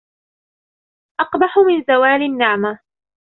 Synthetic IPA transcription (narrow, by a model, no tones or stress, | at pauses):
ʔɑqbɑħʊmɪnzawaːlɪnːɪʕma